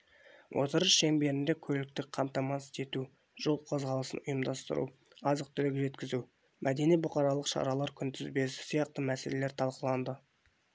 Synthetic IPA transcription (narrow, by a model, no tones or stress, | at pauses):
wʔot̪əɾəʃʃeŋbe̞ɾɪnd̪e̞kʲʰɵlɪk̚t̪ɪk̚qʰɑmt̪ɑmɑt̪ɪ̥st̪e̞t̪u | ʒ̥o̞lˠqʰo̞zʁɑlˠəsə̰nʊjəmd̪ɑst̪ə̰ɾṵ | ɑzəq̚t̪ʰʏlɪɡʲɪʒe̞t̪kʲɪzu | mʔæd̪e̞nijbʊqɑɾɑlˠəqʃɑ̰ɾɑlˠɑɾkʲʰʏnt̪ʰɪzbe̞ssijɑq̚t̪əmæse̞le̞leɾt̪ʰɑlˠqəlˠɑnd̪ə